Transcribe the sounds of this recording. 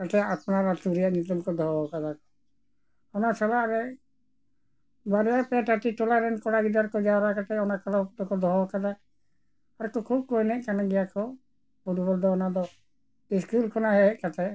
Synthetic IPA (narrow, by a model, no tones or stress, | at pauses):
kat̪ʰɛapnaɾat̪uɾiaʔnit̪umkɔd̪ʱɔɦɔkad̪akɔ | ɔnat͡ʃʰɔlaɾɛ | baɾijapɛʈaʈiʈɔlaɾɛnkɔɽaɡid̪aɾkɔd͡ʒaɔɾakaʈ̪ɛɔnakʰalaɔpt̪ɔkɔd̪ɔɦɔkad̪a | aɾkɔkʰub̚kɔjnɛʔkanaɡɛjakʰɔ | puɾbɔld̪ɔːnad̪ɔ | iskulkʰɔnaɦɛkat̪ʰɛ